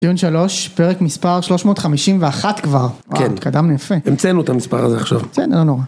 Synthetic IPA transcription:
d̪iunʃalo̞ʃpeʁekmispaʁʃlo̞ʃmo̞ːt̪χamiʃimveaχat̪kvaʁwa̰entkadamnejafeemt͡senuet̪amispaʁazeaχʃavkenlonoʁa

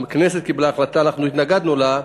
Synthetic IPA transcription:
mknes̬et̪̚kiblaːχlat̪aːnaχnuit̪naɡad̪nula

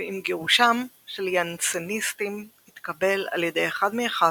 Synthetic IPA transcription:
imɡeʁuʃam | ʃeljant͡senist̪imhit̪kabe̞la̰ljed̪e̞jeχad̪meeχa

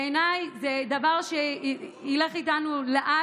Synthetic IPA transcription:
enajzed̪avaʁʃeile̞χitanuleʔa

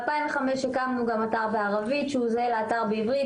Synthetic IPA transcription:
lpaĩɱveχameʃekamnuɡamataʁveaʁavitʃeuzeleataʁbeivʁi

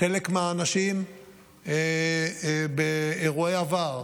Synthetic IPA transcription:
elekmeaːnaʃim | e | beeʁuejavaʁ

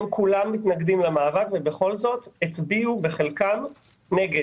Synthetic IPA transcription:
mkulamːit̪naɡdimlemaːvakvebe̞χo̞lzo̞t̪et͡sbiube̞χelkam | neɡe

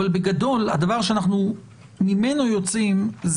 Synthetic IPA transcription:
albeɡad̪o̞lad̪avaʁʃ̬eanaχnu | mime̞no̞jo̞t͡simz

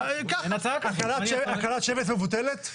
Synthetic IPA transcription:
kanat͡sakakalateakalat̪ʃevetmevut̪elet̪

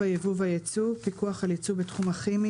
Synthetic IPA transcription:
ajevuvajet͡supikuaχalet͡subetχumaχimi

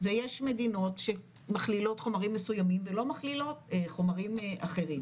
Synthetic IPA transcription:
vejeʃme̞dino̞tʃe | maχlilo̞tχo̞maʁimːesujamimvelo̞maχlilo̞teχo̞maʁimʔaχe̞ʁim

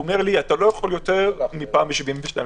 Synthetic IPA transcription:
ome̞ʁliat̪alo̞jaχo̞ljo̞t̪e̞ʁmipaːmbʃiviɱveʃta

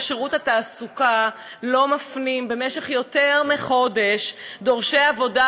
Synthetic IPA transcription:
ʃeʁuthataːsuka | lo̞mafnimbe̞meʃe̞χjo̞teʁmeχo̞de̞ʃdo̞ʁʃejavo̞da

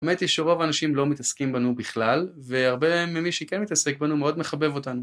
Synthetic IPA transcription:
emet̪iʃeʁo̞vanaʃimlo̞mit̪askimbanubiχlalveaʁbemimiʃikenmit̪asek̚banumeo̞d̪meχabevo̞t̪anu

